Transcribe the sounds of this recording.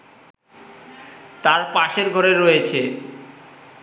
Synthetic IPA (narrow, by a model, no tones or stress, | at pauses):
t̪aɾpaʃeɾɡʱoɾeɾojet͡ɕʰe